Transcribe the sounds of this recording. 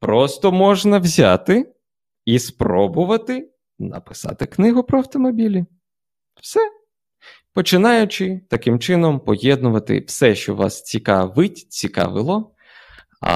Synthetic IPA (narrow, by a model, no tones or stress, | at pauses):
pɾɔst̪ɔmɔʒnɐwzʲa̰t̪ɪ | ispɾɔbʊʋɐt̪ɪ | nɐ̰pɪ̥sɑ̰t̪ɪknɪɦʊpɾɔɐwt̪ɔmɔbʲilʲi | wsɛ | pɔt͡ʃɪnɑjʊt͡ʃɪt̪ɐkɪmt͡ʃɪnɔmpɔjɛd̪nʊʋɐt̪ɪ̰wsɛʃt͡ʃɔ̰ʋɑ̰st͡sʲikɑʋɪtʲt͡sʲikɑ̰ʋɪ̰lˠɔ | ɐ̰